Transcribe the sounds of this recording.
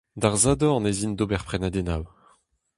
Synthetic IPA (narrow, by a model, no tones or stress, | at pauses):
d̪aʁzad̪ɔ̃ɑ̃nezind̪obɛʁpχenad̪enaw